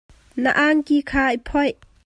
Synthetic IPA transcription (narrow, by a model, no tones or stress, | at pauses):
nə̰ʔaŋkiːkʰaːəpʰɔj